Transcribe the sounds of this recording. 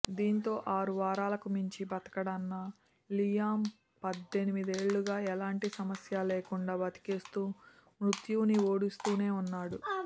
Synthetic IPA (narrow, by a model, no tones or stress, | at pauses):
d̪iːnt̪o̞ːʔaːɾuʋaːɾaːlɐkumiɲt͡ʃibɐt̪ɐ̥kɐɽɐnːɐ | lijaːm | pɐd̪ːenimid̪e̞ːɭːuɡaːɛlaːɳʈisɐmɐsjaːleːkuɳɖaːbɐt̪i̥keːst̪uːmɾut̪juːnio̞ːɽust̪uːne̞ːunːaːɽu